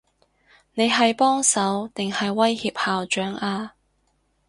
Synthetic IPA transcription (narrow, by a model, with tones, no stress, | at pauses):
ne˨˧jɦɐ˨jpɔː˥ŋsɐ˨˥wt̪ɪ˨ŋhɐ˨jwɐ˥jhiː˧p̚haː˨wt͡ʃœː˨˥ŋaː˧